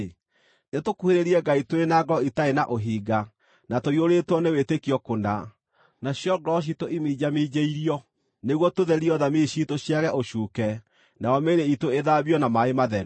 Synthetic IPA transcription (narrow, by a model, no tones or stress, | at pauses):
netokuheɾeɾiɛɡaitoɾenaɡɔitaenaʔoɦiːɡa | natoioɾetwɔnewetekiɔkonda | naɕjɔɡɾɔʃ̬itoimiːd͡ʑamid͡ʑeiɾiɔ | neɣwɔtoðɛɾiɔðamiɕitoɕjaɣɛʔoʃuːkɛ | naɔmeɾeitoeðaβjɔnamaemaðɛɾu